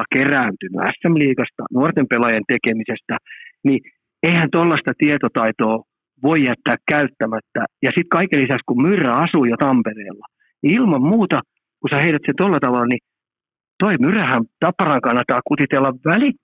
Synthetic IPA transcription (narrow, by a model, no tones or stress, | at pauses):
ɑkeræːnt̪yny̰æ̰sːemliːkɑst̪ɑ̰nuort̪empelɑjent̪ekemisest̪æni | eihænt̪olːɑst̪ɑt̪iet̪ot̪ɑit̪oː | ʋoijæt̪ːæːkkæyt̪ːæmæt̪ːæ̰jɑsit̪kɑikelisækskummyrːæɑsuːjot̪ɑmpereːlːɑ | ilmɑmmuːt̪ɑ | kusæheit̪æt̪sent̪olːɑt̪ɑʋɑlːɑni | t̪oimyræhænt̪ɑpːɑrɑŋkɑnːɑt̪ːɑːkut̪it̪elːɑʋʋæli